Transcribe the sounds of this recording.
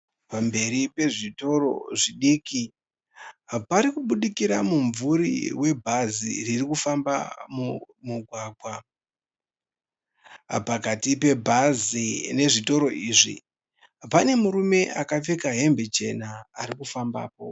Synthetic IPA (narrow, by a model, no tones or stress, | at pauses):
pambe̞ɾipe̞ʐito̞ɾo̞̰ʐiɗiːki | paɾikuɓuɗikiɾamuɱvuɾḭwe̞bʱazḭririkufamba̰mu | muɡʱwaɡʱwa | pakatipe̞bʱazine̞ʐito̞ɾo̞iːʐḭ | pane̞muɾume̞ʔakap͡fekaɦe̞mbe̞t͡ʃe̞naːɾikufamba̰ːpo̞̰